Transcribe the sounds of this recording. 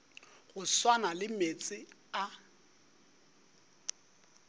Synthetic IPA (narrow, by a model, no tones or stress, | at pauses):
ɣʊswanalɪmet͡sʼɪa